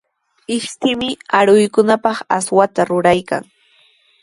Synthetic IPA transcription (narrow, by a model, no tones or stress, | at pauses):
ɪʃt̪ɪmɪaɾʊjkʊnapɑχaswat̪aɾʊɾajka̰ŋ